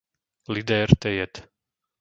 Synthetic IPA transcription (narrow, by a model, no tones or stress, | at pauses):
lid̪ɛːɾt̪ɛjɛt̪